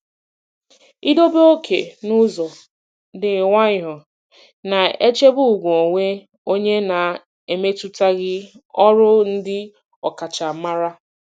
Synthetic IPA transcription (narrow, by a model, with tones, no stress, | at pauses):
i˦do˦be˦o˦kʰe˨nʊ˦zɔ˨ | dɪ˨ŋʷa˦ɲɪ˨ɦɔ˨ | na˨e˦t͡ʃe˦bʊ˦u˨ɡʷo˨ŋʷe˦ | o˦ɲe˦na˨ | e˨me˦tu˦ta˦ɡɪ˦ɔ˦ɾʊ˦n̩˦dɪ˦ | ɔ˨ka˨t͡ʃa˨˦ma˦ɾa˦